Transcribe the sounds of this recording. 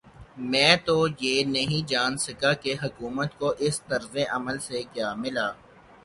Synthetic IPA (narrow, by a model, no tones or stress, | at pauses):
mɛ̃ːt̪ojeːnɐɦĩd͡ʒaːnsɐkakeɦɐkuːmət̪koʔɪst̪ɐɾzeʔɐməlsekjaːmɪlaː